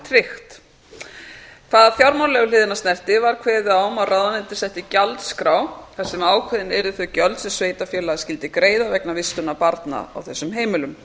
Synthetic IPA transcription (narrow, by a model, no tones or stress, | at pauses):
t̪ʰɾɪxt̪ | kʰv̥aːðafjawɾmanlɛɣʏlɪːðɪnast̪nɛr̥t̪ɪvaɾ̥kʰvɛːðɪawmaðrʔawðanɪnt̪ɪ̥sɛht̪ɪcalt̪skɾaːwθasɛmaːwkʰɛðɪnɛɾɪθʏcœlt̪sɛmsveːjt̪afjɛːlascɪlt̪ɪkɾeːjðavɛknavɪst̪ʏnapaɾt̪na̰a̰wθɛsːʏmɦeːjmɪlʏm